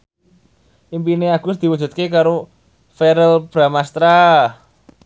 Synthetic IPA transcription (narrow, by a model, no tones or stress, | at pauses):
ʔimpineaɡ̥ʊsd̪̥i̤wu̥d͡ʒ̥ṳt̪̚kekaɾo | feɾəlb̥ɾamast̪ɾa